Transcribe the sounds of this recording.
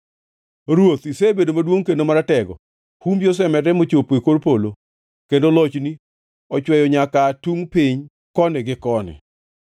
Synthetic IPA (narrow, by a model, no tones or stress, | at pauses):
ɾwot̪isebedomadwoŋkendomaɾatɛɡɔ | humbjos̬ɛmɛɾɛmot͡ʃopoekoɾpolo | kendolɔt͡ʃni | ɔt͡ʃwɛjɔɲakatuŋpiɲ | kɔnɛɡɪkɔnɛ̰